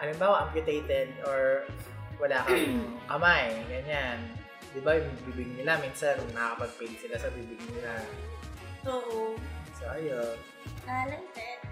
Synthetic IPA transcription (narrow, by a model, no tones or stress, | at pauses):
ʔɐlɪmbaːwaʔampjʊt̪ejt̪ɛd̪̚ʔɔɹ | wɐlaːkɐʔamaʔɛɡɐɲan | d̪ɪbajʊŋbibɪɡ̚nɪlamiːnsanʊŋnɐkɐkɐpɐɡ̚pwɛːd̪ɪsɪlasɐbiːbɪɡ̚nɪla | ʔoːʔosoʔɐjon | alɐŋtɛ